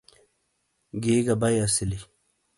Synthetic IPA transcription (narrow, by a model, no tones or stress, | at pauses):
ɡeːɡɐbɐjɐsili